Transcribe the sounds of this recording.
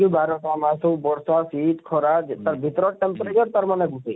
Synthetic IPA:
ibʱaɾɔʈamasubɔɽsasit̪kʰɔɾad͡ʒt̪əɾbʱit̪ɾɔʈempɾet͡ʃəɾpəɾmaneɡʱusi

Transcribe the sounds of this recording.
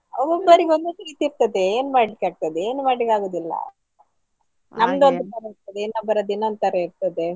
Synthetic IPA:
ɐbombɐɾiɡond̪und̪uɾiːt̪iiɾt̪ɐd̪eeːnumaːɽlikaːɡ̚t̪ɐd̪eeːnumaːɖlikaːɡoːd̪ilːɐ̰ | nɐmd̪uond̪ut̪ɐɾɐiɾt̪ɐd̪eeːnɐbɐɾɐd̪inːond̪t̪ɐɾɐiɾt̪ɐd̪e

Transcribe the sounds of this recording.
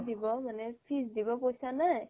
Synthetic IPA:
dibɔmanɛpʰisdibɔkojsanaj

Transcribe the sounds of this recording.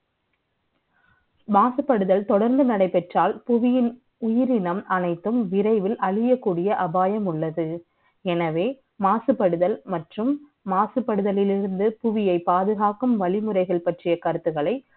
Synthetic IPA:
maːsɯpːɐɽɯðɐlt̪ɔɽɐɾnd̪ɯnɐɽɐɪpɛʈraːlpʊʋɪjɪn | ʊjɪɾɪnɐmʔɐnɐɪt̪ːɯmʋɪɾɐɪʋɪlʔɐɭɪjɐkːuːɽɪjɐʔɐbaːjɐmʊɭːɐðɯ | ɛnɐʋeː | maːsɯpːɐɽɯðɐlmɐʈrɯmː | aːsɯpːɐɽɯðɐlɪlɪɾɯnd̪ɯpʊʋɪjɐɪpːaːðɯɣaːkɯmʋɐɭɪmɯrɐɪɣɐɭpɐʈrɪjɐkɐɾɯt̪ːɯɣɐɭɐɪ

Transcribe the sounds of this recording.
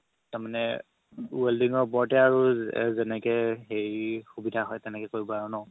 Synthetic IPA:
taɹmanɛ | uwɛldiŋɔɹbɔɹtɛaɹuzɛnɛkɛɦeɹixubidʱaɦɔjtɛnɛkɛkoɹibɔaɹunɔʊ̃

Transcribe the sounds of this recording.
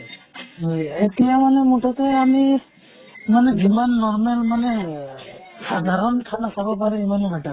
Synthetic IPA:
ɦojet̪ijamanemuʈʰɔt̪eami | manebʱimanːɔɾmelmane | sad̪ʱaɾɔnt̪ʰanasabɔpaɾiimanebʱaʈa

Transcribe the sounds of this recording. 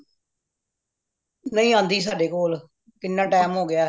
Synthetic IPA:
nəĩːãːnd̪iːs̬aːɖeːkoːl | kɪnːãːʈɛːmɦoːɡɪaː

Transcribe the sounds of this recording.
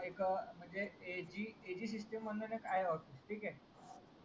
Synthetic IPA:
ekm̤əɳd͡zeed͡ʑiːed͡ʑiːs̬isʈemːənːənekajeɔfisʈʰiːkɛ

